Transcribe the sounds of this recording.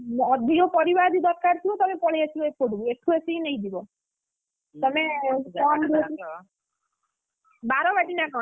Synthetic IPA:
mːd̪ʱiɔpɔɾibad̪id̪ɔɾkaɾt̪ʰibɔt̪ɔmepɔɭejat͡ʃʰibɔepʰoɖubueʈʰuesiinejd̪ibɔ | t̪ɔmeɔnɾ | baɾɔbaʈinakɔ

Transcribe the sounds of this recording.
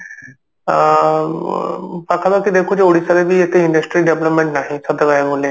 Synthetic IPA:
pakʰab̪əkid̪eːkʰod͡ʒeoːɽisaɾebʱiet̪eɪ̃ɳɖəsʈɾiɖeʋləpmẽɳʈnaːɦĩsəd̪əɡaemolẽ

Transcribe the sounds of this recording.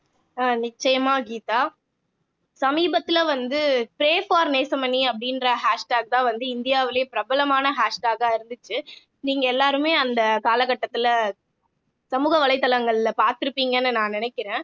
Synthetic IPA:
anɪt͡ʃːɐjɐmaːɡiːt̪aː | sɐmiːbɐt̪ːɪlʋɐnd̪ɯpɪɾeːfaːɾneːsɐmɐnːiɐpːɐɽɪnrɐɦaːʂʈaːɡ̚t̪ãːʋɐnd̪ɯɪnd̪ɪjaːʋɪlɐjepɪɾɐbɐlɐmaːnɐɦaːʂʈaːɡaːɪɾɯnd̪ɯt͡ʃːɯ | niːŋɡɐɛlːaːɾɯmeːɐnd̪ɐkaːlɐkɐʈːɐt̪ːɪl | sɐmuːɣɐʋɐlɐɪt̪ːɐlɐŋɡɐɭlɐpaːɾt̪ɪɾɯpːiːŋɡɐnːɯnãːnɪnɛkʲːɪɾẽː

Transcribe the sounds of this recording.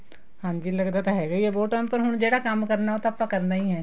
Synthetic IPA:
hãːnd͡ʒiːlɐɡd̪at̪aɦɛɡɐiɛboːʈaːmpɐɾɦʊɽ̃d͡ʒeːɽakaːmkɐɾnaɦot̪apːakɐɾnaɦiɦɛ̃ː

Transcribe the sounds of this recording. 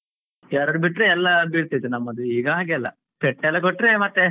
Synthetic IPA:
ɐɾɐɾubiʈːɾeɛlːɐbiɽt̪ijt̪ːunɐmːɐd̪uiːɡɐɦaːɡeɐlːɐ̰ | pɛʈːɛlːɐkoʈːɾemɐt̪ːe

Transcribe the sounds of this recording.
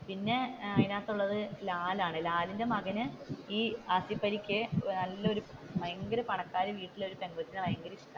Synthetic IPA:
pinːe̞ɐjnaːt̪ːuɭːɐðɨlaːlaːɳɨlaːlinde̞mɐɡɐnɨiːɐsipːɐɾikʲːɨnɐlːɐo̞ɾumɐjɐŋɡɐɾɐpɐɳɐkːaːɾɨʋiːʈːilo̞ɾupe̞ŋɡɐt̪ːinɨʋɐjɐŋɡɐɾit͡ɕuk̪ːa

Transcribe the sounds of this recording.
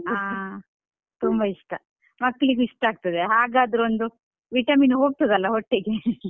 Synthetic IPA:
aː | t̪umbɐiʂʈɐ | mɐkːɐɭiɡiʂʈaːɡ̚t̪ɐd̪eɦaːɡaːd̪ɐɾond̪u | ʋiʈɐminuɦo̞ːɡ̚t̪ɐd̪ɐlːɐɦoʈːeɡe

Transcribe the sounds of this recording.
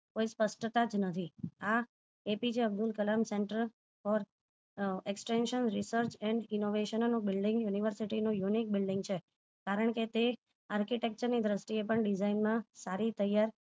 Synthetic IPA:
koispəsʈt̪ad͡ʒnət̪ʰia | epid͡ʒeəbd̪ʊlkəlamsẽɳʈəɾ | fɔɾ | eksʈenʃənɾisəɾt͡ʃɛ̃ɳɖɪnoʋeʃənnũbɪlɖɪ̃ŋɡjuniʋəɾsiʈinũjunik̚bɪlɖɪ̃ŋɡt͡ʃʰe | kaɾəɳ̃ket̪e | aɾkiʈek̚t͡ʃəɾnid̪ɾəsʈ̪iepəɳɖid͡ʒainmãsaɾit̪əjaɾ

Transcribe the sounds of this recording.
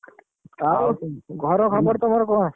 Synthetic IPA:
awɡʱɔɾɔkʰɔbɔɾt̪ɔmɔɾɔkɔn

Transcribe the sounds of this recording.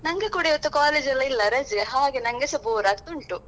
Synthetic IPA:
nɐŋɡekuɽeɔt̪ːukaːleːd͡ʒɐlːɐilːɐɾɐd͡ʒɦaːɡenɐŋɡesɐboːɾaːɡ̚t̪uɳʈu

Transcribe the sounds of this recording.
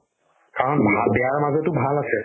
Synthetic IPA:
kaɹɔnbʱabɛjaɹmazɔtubʱalasɛ

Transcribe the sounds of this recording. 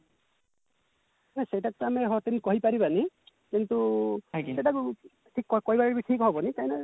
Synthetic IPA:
nɛsejtak̚kamɛɦɔt̪inkɔɦipaɹibani | kintuksejtak | ʈʰikːɔkɔɦibaɹɹbitʰikɦɔbɔnikanɛ

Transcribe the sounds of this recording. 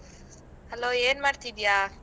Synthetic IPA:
hɛlojenmaɾt̪ʰid̪ija

